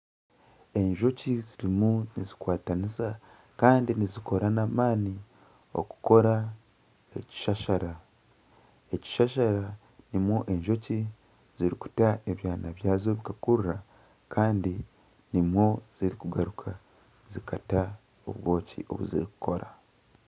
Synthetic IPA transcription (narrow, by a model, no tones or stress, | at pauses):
e̞ɲʒo̞ciziɾimunizikwaːtanisa | kaːndiniziko̞ɾanamaːni | o̞̰ku̥ko̞ɾa | e̞ci̥ʃaʃaɾa | e̞ci̥ʃaʃaɾa | nimwo̞ʔe̞ɲʒo̞ci | z̥iɾiku̥taʔe̞βjaːnaβjaːzo̞βikakuɾura | kʰaːndi | nimwo̞z̥iɾikuɡaɾukʰa | zikata | o̰βwo̞ːcḭʔo̞̰βṵzḭɾiku̥ko̞ɾa